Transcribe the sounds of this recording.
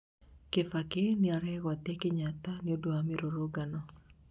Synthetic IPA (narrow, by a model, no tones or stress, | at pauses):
kefakenɪaɾɛɣat̪ekɪɲat̪anɪodoameɾoɾoɡanɔ